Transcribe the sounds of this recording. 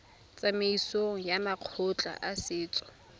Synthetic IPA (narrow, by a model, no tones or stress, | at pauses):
t͡sʼameisoŋ̩jamaq͡χʰʊt͡ɬʼa̰ʔasɪːt͡sʼɔ̥